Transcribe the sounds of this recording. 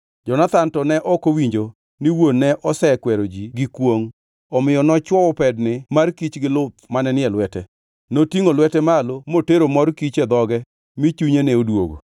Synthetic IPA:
d͡ʒɔnat̪antɔnɛʔɔkowiɲd͡ʒo | niwonnːɛʔɔsɛkwɛɾod͡ʒiɡɪkwoŋ | ɔmɪjɔnɔt͡ʃwɔwɔpɛdnɪmarkit͡ʃɡɪlʊt̪̚manɛnɪɛlwɛtɛ | notiŋolwɛtɛmalomoteɾomɔrkit͡ʃɛd̪ɔɡɛ | mɪt͡ʃuɲenɛodwo̰ɡo̰

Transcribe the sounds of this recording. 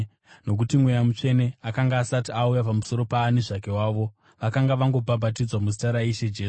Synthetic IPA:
no̞k̬utimwe̞jamut͡ʂe̞ne̞akaŋɡaːsatiaujapamuso̞ɾo̞paːniʐake̞waːʋo̞ | ʋakaŋɡaʋaŋɡo̞bʱabʱatid͡zwamusi̥taɾaiʃed͡ʒeː

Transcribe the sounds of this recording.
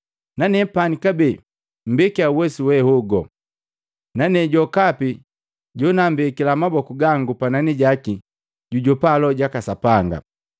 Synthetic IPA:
nanɛpanikabɛ | m̩bɛkiauwɛsuwɛhɔɡɔ | nanɛɟɔkapi | ɟɔnambɛkilamabɔkuɡaŋɡupananiɟaki | ɟuɟɔpalɔɟakasapaŋɡa̰

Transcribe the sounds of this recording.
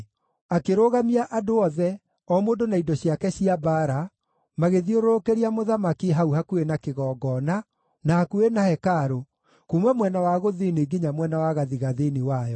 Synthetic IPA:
akeɾoɣamiaʔadoɔðɛ | ɔmoːdonaidɔɕiakɛɕiabaːɾa | maɣeðioɾoɾokeɾiamoðamakiɦauhakuenakeɣɔːɡɔna | nahakuenahɛkaɾo | kumɛmwɛnawaɣoðineɡeɲamwɛnawaɣaðiɣaðeniwajɔ

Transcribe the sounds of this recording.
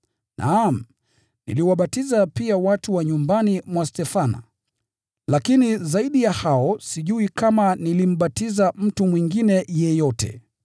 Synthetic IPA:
nʔa̰m̩ | nḭliwaɓatizapiawatuwaɲumbanimwastɛfana̰ | lakinizaiɗijahaɔsiʄuikamanilim̩ɓatizam̩tumwiŋɡinɛjɛjɔtɛ̰

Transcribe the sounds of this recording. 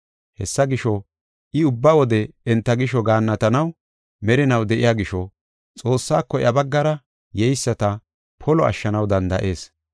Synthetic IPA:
hɛ̰sːɐɡɪʃɔ | ʔɪʊbːɐwɔd̪ɛɛnt̪ːɐɡɪʃɔɡaːnːɐt̪ɐnɐw | mɛɾɪnɐwd̪ɛʔɪjaːɡɪʃɔ | t͡sʼo̞ːsːaːkːɔʔjɐbɐɡːɐɾɐ | jɛjsːɐt̪ɐ | pʰɔlɔɐ̰ʃːɐnɐwd̪ɐnd̪ɐ̰ʔe̞ːs

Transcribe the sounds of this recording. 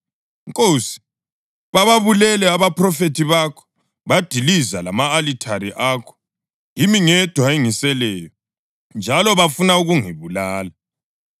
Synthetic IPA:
ŋkʼoːsi̥ | βaβaβulɛlɛaβapʰʼrɔfetʰiβakʰɔ̥ | βad̥ʱilizalamaːlitʰaɾiʔaːkʰɔ̥ | jimiŋɛd̥ʱwaiŋisɛlɛːjɔ | nd͡ʒʱalɔβafunauɣuŋiβulaːla

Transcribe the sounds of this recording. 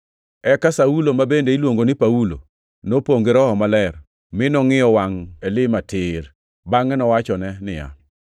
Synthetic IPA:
ɛkasaulomabendeilwoŋɡonɪpaulo̰ | nopoŋɡeɾɔɦɔmalɛr | mɪnɔŋɪjɔwaŋɛlɪmatʰɪɾ | baŋɛnɔwat͡ʃɔnɛnɪ̰ja̰

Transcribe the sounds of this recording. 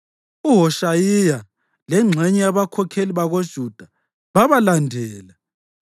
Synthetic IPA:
uɦɔʃajija | lɛŋ͡ǁʱɛɲɛjaβakʰɔkʰeliβaɣod̥ʒ̥ʱud̥ʱa | βaβalandʱɛːla

